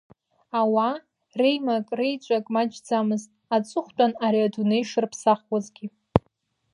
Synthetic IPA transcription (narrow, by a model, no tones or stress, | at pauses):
awa | rejmakʼrejt͡ʃʷʼakʼmad͡ʒd͡zamɨztʼ | at͡sʼɨχʷt͡pʷʼanaɾiadunejʂɨrpʰsaχwazɡʲi